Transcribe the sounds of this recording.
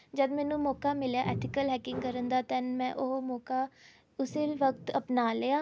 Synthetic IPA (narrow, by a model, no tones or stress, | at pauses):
d͡ʒəd̪mɛːnũːmɔːkaːmɪljaːʔɛːʈ̪ʰɪkəlɦɛːkɪŋɡkəɾənd̪aːt̪ɛnmɛ̃ːʔoɦmɔːkaː | ʊseːʋəkt̪əpnaːleːaː